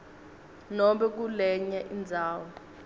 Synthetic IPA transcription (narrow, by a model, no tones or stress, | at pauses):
nɔmɓɛk̬ulɛɲɛʔind͡zʱaːwɔ